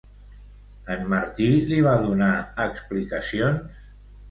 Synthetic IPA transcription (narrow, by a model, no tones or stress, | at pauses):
əmːaɾt̪iliβ̞aðunaəksplikəsions